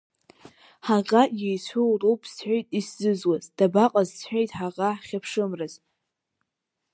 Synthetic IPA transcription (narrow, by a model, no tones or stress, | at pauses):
ħaʁajejt͡ɕʷʰowrowpʰʼsħʷejtʼisz̥ɨzwazd̥abaqʼazsħʷᶣejtʼħaʁaħχʲapʰʂɨmraz